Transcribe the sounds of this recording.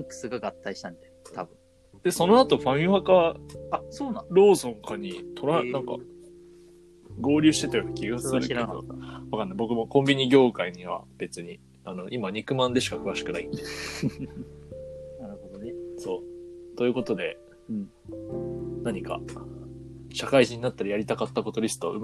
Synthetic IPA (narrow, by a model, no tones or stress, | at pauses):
kɯ̥sɨɡaɡat̪ːaii̥t̪ãnd̪aot̪ʰabɯ̟̃ | d̪̥e̞so̞no̞at̪o̞ɸãɰ̃jɯβakaasoːnɾo̞ːsõ̞ŋkaɲ̟it̪ʰo̞ɾanãŋka̰ | ɡo̞ːɾʲɯ̟ɕi̥t̪e̞t̪ajoːɾakʲiiasɨɾɯad̪o̰βakanːaibo̞kɯ̟mo̞kõ̞mbʲiɲ̟iɡʲo̞ːkaiɲ̟iβa̰b̥e̞t͡sɨɲ̟i | ano̞ʔimaɲ̟ikɯ̟mãnd̪e̞ɕi̥kakɯ̟βaɕi̥kɯ̟nai | naɾɯhod̪so̞ːt̪o̞jɯ̟ko̞t̪o̞d̪e̞ | naɲ̟ika̰ | ɕakaiʑĩɲ̟ːinat̪ːaɾajaɾʲit̪akat̪ːako̞t̪o̞ɾʲisɨ̥t̪oɯ̟m